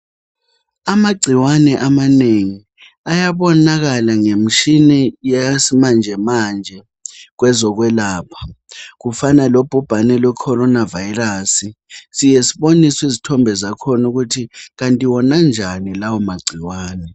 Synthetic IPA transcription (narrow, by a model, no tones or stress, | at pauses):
amaɡ͡ǀʱiwanɛʔamaneŋi | ajaɓɔnak̬alaŋem̩ʃinɛjasimand͡ʒʱɛmand͡ʒʱɛ | k̬wɛzɔk̬wɛlaːpʰḁk̬ufanalob̥ʱub̥ʱanɛlwɛkʰɔɾɔnavajirasisijesiɓoniswizitʰɔmbʱɛzakʰɔnuk̬utʰik̬antʼiwɔnand͡ʒʱanilawɔmaɡ͡ǀʱiwaːnɛ